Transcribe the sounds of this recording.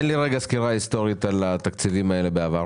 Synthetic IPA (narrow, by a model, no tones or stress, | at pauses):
nliʁeɡaskiʁaist̪o̞ʁit̪alat̪akt͡sivimae̞le̞beavaʁ